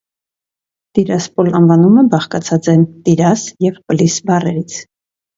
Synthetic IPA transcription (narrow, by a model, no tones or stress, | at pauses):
t̪iɾɑspɔlɑnvɑnumɛbɑχkɑt͡sʰɑt͡sɛnt̪iɾɑsjɛvpəlisbɑrɛɾit͡sʰ